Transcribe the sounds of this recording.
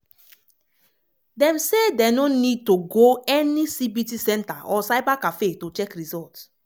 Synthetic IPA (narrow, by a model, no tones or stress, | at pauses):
dɛ̃msedenonid̚toɡoɛnisibitisɛ̃ntaʔɔsaɪbakafetot͡ʃɛkɹizɔlt